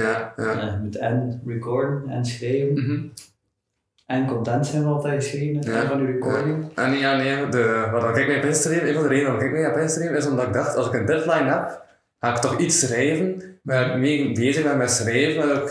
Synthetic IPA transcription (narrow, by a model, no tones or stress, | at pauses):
jajamutɛnɹikɔɹdənɛ̰nsxreːvən | ʔɛnkɔntɛntsɛnʋəɔlˠtɛjɣəsxriːvənəjanvɑnyɹikɔɹdɪŋʔɛnjaːneːdəʋaːrdɔnɪkɛk̚mɛjɔpɪnstəriməeːnvɑnˠdəɾeːdəɔnɪkɪk̚meːɔpɪnstəɡrimɪzɔmdɑtɪɡ̚dɑxtɑlˠzɪkəndɪtlajnɦɛp | haːɪk̚tɔxitsːxrɛːvənmameːbeːzəxmɛtmɛsxrɛːvənɔɪk